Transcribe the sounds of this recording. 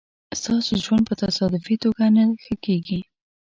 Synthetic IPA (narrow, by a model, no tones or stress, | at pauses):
st̪ɑsoʒwand̪̚pət̪asɑd̪ɪfit̪oɡanaxəkeɡi